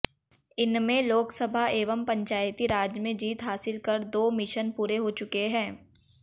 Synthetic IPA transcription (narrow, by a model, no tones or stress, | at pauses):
ɪnmẽloːksəbʱaeːʋəmpɐ̃ɲt͡ʃaːjt̪iɾaːd͡ʒmẽd͡ʒiːt̪ɦaːsɪlkɐɾd̪oːmɪʃənpuːɾeɦot͡ʃʊkeɦɛ̃ː